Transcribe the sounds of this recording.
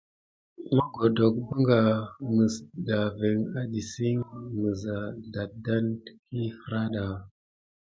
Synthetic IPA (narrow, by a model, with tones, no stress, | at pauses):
ma˦ɡo˨do˨k̚ba˦ŋɡa˨mə˨sda˨ve˨ŋa˦di˨si˦ŋmə˨za˨da˨da˦ntki˦fə˦ɾa˦ɗa˨